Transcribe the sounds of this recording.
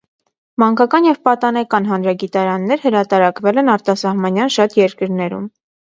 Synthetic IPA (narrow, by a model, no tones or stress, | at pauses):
mɑŋkɑkɑnjɛvpɑt̪ɑnɛkɑn̪ɦɑnɾɑɡit̪ɑɾɑnːɛɾhəɾɑt̪ɑɾɑkvɛlɛnɑɾt̪ɑsɑhmɑnjɑnʃɑt̪jɛɾkəɾnɛɾṵm